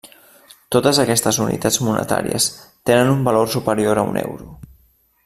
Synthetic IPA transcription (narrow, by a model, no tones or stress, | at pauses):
t̪ot̪əzəkɛst̪əzunḭt̪ad͡zmunə̰t̪a̰ɾḭəst̪enənumbəlorsupəɾioɾəṵnʔɛ̰wɾu